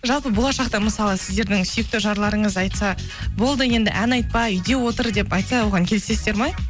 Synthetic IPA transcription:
ʒɑlˠpəbo̞lˠɑʃɑqt̪ɑməsɑlˠəsɪzd̪e̞ɾd̪ɪŋsyjek̚t̪ɪʒɑɾlˠɑɾəɴəzɑjt̪sɑ | bo̞lˠd̪əje̞nd̪ɪ̰ʔænɑjt̪̚pɑʏjd̪e̞wo̞t̪əɾd̪e̞pɑjt̪sɑwo̞ʁɑŋkʲʰelɪse̞st̪e̞ɾmɑj

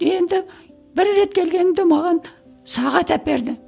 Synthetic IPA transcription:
je̞nd̪ɪ | bɪɾːe̞t̪kʲʰe̞lɡʲe̞nɪmd̪emɑʁɑn | sɑʁɑt̪æp̚be̞ɾd̪ɪ

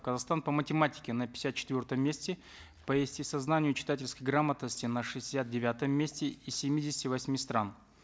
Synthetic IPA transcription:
kəzaxst̪anpəmətʲɪmatʲɪ̥kʲɪnəpʲɪ̥sʲat̪̚t͡ɕɪ̥t̪vʲort̪əmːʲesʲtʲɪ | pəɪsʲtʲɪsɐznanʲɪjʊt͡ɕɪ̥t̪atʲɪlʲskəjɡɾamət̪nəsʲtʲɪnəʂɨɪsʲat̪̚dʲɪvʲat̪əmːʲesʲtʲɪisʲɪmʲidʲɪsʲtʲɪvɐsʲmʲist̪ɾan

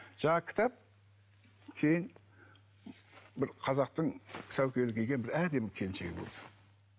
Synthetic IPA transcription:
ʒ̥ɑɴɑkʲʰɪ̥t̪ɑp̚ | kʲʰe̞jɪn | bɪɾqʰɑzɑq̚t̪əɴsæwkʲelɪkʲʰeɡʲe̞nbɪɾæd̪e̞mɪkʲʰe̞nʃe̞ɡʲɪ̰bolˠd̪ə̥

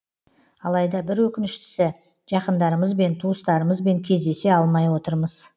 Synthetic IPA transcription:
ɑlˠɑjd̪ɑbɪɾwɵkʲɪnɪʃt̪ɪ̥sɪ | ʒ̥ɑqənd̪ɑɾəməzbe̞nt̪ʰuəst̪ɑɾəməzbe̞ŋkʲʰe̞zd̪e̞se̞ɑlˠmɑjwo̞t̪əɾməz̥

